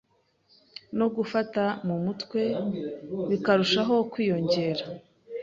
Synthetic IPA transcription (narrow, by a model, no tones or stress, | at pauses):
no̞ɡufatamumutkwe̞ | βikaɾuʃaɦo̞kwiːjo̞ɲɟe̞ːɾa